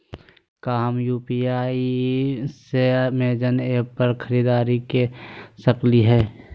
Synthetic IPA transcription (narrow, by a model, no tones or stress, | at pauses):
kaːmjuːpiaːi | semeːd͡ʒəneːpəɾkʰəɾiːd̪aːɾikesəkliɦɛː